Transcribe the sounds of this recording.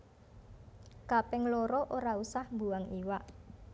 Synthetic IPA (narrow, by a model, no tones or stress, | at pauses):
kapɛŋloɾɔʔoɾausahmbuaŋiwaʔ